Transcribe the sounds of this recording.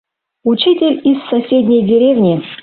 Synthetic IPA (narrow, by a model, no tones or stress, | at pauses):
ut͡ɕitʲɪlʲisːɐsʲedʲnʲejdʲɪɾʲevnʲɪ